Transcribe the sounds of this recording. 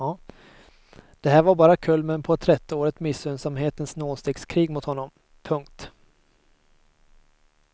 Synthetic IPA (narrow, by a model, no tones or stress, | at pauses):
d̪̥ɛɦæːɾvaɾbɑːɾakʰɵlmənpʰɔt̪ʰɾɛt̪ːəoːɾət̪mɪsːøːnsamɦeːt̪ənsnoːst̪eːɡskʰɾiːɡmʊt̪hɔnːɔm | pʰɵŋk̚t̪